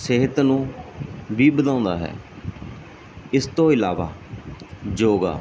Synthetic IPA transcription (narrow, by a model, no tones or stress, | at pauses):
seɦət̪nũː | biːbəd̪ãːʊ̃nd̪a̰ːɦɛ̰ː | ɪst̪õːɪlaːʋa̰ː | d͡ʒoːɡa̰ː